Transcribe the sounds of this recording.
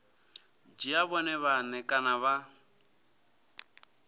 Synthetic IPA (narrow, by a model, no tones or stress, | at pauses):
d͡ʒiaβɔnɛβanɛkʼanaβa